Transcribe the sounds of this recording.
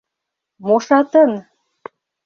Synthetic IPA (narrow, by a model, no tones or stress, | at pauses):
moʃɑt̪ə̆n